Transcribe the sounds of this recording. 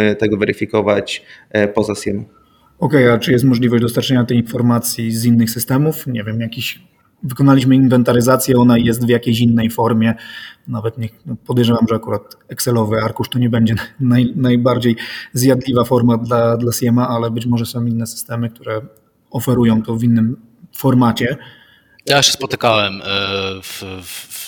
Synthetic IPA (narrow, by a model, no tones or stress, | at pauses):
t̪ɛɡɔvɛɾɘfʲikɔvat͡ɕpɔzasʲjɛmɔ | ɔkɛjat͡ʂɨjɛst̪mɔʐlʲivɔʑd͡ʑd̪ɔst̪aɾt͡ʂɛɲat̪ɛjinfɔɾmat̪sʲjizinːɘxsɘst̪ɛmufɲɛvʲjɛmjakʲiɕ | vɘkɔnalʲiɕ̬mɘinvɛnt̪aɾɘzat̪sʲjɛɔnajɛs̬t̪vjakʲejɕ̬inːɛjfɔɾmʲjɛnavɛt̪ɲɛpɔd̪ɛjʐɛvamʐɛakuɾat̪ɛksɛlɔvɘaɾkuʂt̪ɔɲɛbɛɲd͡ʑɛnajnajbaɾd͡ʑejzjad̪lʲivafɔɾmad̪lad̪lasʲjɛmaʔalɛbɘt͡ɕmɔʐɛsɔ̃w̃inːɛsɘ̥st̪ɛmɘk̚t̪uɾɛ | ɔfɛɾujɔ̃w̃t̪ɔvʲinːɘm | fɔɾmat͡ɕɛ | t̪jaɕɛ̥spɔt̪ɘkawɛm | f